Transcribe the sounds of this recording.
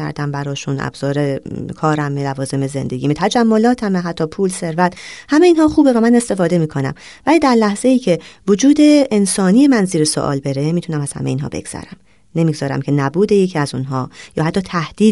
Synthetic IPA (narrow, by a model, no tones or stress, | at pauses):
æ̰ɾd̪æmbæɾɒːʃunæ̰bz̥ɒːɾekʰɒːɾæmːelævɒːze̞me̞ze̞̰nd̪eɡiːmet̪ʰæd͡ʒæmːo̞lɒːt̪ʰæmeɦæt̪ʰːɒːpʰuːlse̞ɾvæt̪hæmeiːnɦɒːχuːbe̞væmæne̞st̪e̞fɒːd̪e̞miːkʰo̞næ̰m | væliːd̪æɾlæhz̥e̞iːcʰe̞vod͡ʒuːd̪e̞ːnsɒːnijemænziːɾeso̰ʔɒ̰ːlbe̞ɾe̞miːt̪ʰunæmæz̥hæ̰mejiːnɦɒ̰ːbe̞̰ɡz̥æ̰ɾæ̰m | ne̞miːɡzɒːɾæ̰mcʰe̞næbuːd̪ejecʰiæzunɦɒːjɒːhæt̪ːɒːt̪ʰæhd̪̥iː